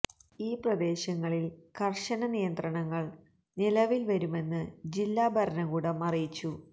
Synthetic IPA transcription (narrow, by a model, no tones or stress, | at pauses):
iːprɐd̪e̞ːɕɐŋːɐɭilkʰɐrʂɐnɐnijɐnd̪rɐɳɐŋːɐɭ | nilɐʋilʋɐɾume̞nːɨd͡ʑilːaːbʱɐɾɐnɐɣuːɽɐmɐrijit͡ɕːu